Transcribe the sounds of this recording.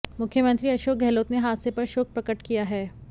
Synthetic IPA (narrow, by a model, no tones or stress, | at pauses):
mʊkʰjəmɐ̃nt̪ɾiɐʃoːk̚ɡʱɛːloːt̪neɦaːsepɐɾʃoːk̚pɾɐkəʈkijaɦɛː